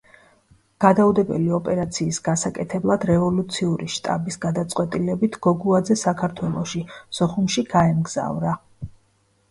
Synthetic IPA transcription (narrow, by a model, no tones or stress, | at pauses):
ɡ̥ad̪aud̪ɛbɛ̰liɔpʼɛɾat̪sʰiːsɡ̥asakʼɛt̪ʰɛblˠad̪ɾɛvɔlut̪sʰiuɾiʃt̪ʼa̰bisɡad̪at̪sʼqʼwɛt̪ʼilɛbit̪ʰɡ̥ɔɡuad̪zɛsakʰaɾt̪ʰwɛlˠɔʃisɔχumʃiɡ̥aɛmɡz̥a̰vɾa